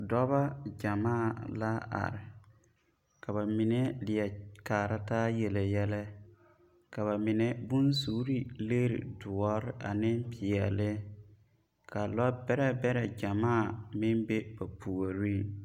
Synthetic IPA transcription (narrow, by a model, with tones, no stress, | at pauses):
dɔ˦βa˦d͡ʒa˨maː˦˨la˦a̰˨ɾɪ˨ | ka˨βa˨mɪ˨nɛ˦lɪ˨ɛ˨kaː˨ɾa˦taː˦je˨le˨jɛ˦lɛ˦ | ka˨βa˨mɪ˨nɛ˦bʊ˦nsuː˨˦ɾi˦le˦ɾḭ˨dʊ˨ɔ˦ɾɪ˦ʔa̰˨nɪ˦mpɪ˨ɛ˨lɪ˦ | ka˨lɔ˦bɛ˦ɾɛ˦bɛ˦ɾɛ˨d͡ʒa˨maː˦˨mɪ˦nbe˦ba˨pʰu˨o˨ɾi˦˨